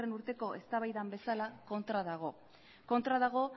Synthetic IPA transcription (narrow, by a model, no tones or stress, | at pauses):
re̞nuɾt̪e̞ko̞ʔe̞st̪aβajðambe̞salako̞nt̪ɾað̞aɣ̞o̞ | ko̞nt̪ɾaðaɣ̞o̞